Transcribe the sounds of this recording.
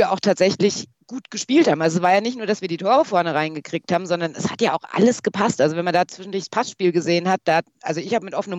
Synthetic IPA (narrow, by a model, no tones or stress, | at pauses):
ɐʔa̰ʊxtʰaːtz̥ɛçlɪç | ɡ̥uːtɡ̥əʃpiːlthaːbm̩alzosv̥aːɐjaːnɪçtnuːɐd̥asv̥iːɐdiːtʰoːʁ̞əfɔɐnəʁaɪnɡəkʁ̥iːk̚thaːbm̩zɔndɐnɛsha̰tjaːʔaʊxʔa̰ləsɡ̥əpʰastʔalzovɛnmandaːt͡sv̥ɪʃn̩dʊɐç̥spʰasʃpiːlɡəzeːənhat̚d̥aːʔalzoɪçhaːbəmɪtʔɔfənəm